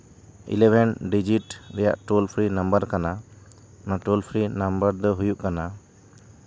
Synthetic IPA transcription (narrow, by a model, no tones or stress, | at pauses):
ḭlɛbʱɛnɖid͡ʒiʈɾɛja̰ʔʈolpʰɾinambəɾkana | maʈolpʰɾinambəɾd̪ɔɦujuʔkana